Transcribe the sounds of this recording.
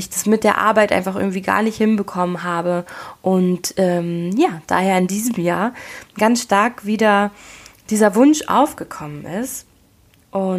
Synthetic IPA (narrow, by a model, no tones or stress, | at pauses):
ɪçd̥asmɪt̚d̥eːɐʔa̰ɐbaɪtʔa̰ɪnfaχʔɪ̰ɡŋ̩tv̥iːɡa̰ːɐnɪçthɪnbəkʰɔmənɦaːbəʔʊntʔɛːmjaːd̥a̰ːheːɐɪndiːzəm̩jaːɐɡ̥ansʃtaɐkv̥iːdɐ | d̥iːzɐvʊnʃʔa̰ʊfɡ̥əkʰɔmənɪst | ʔʊ